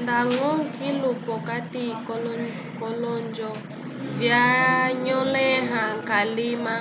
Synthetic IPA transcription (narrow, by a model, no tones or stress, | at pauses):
ndaŋɔŋ̩kilupɔkatikɔlɔ | kɔlɔnd͡ʒɔ | vjaɲɔlɛɦaŋkalima